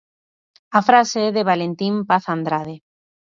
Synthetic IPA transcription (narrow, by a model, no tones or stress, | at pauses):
afɾaseɛðeβ̞alent̪impaθand̪ɾað̞e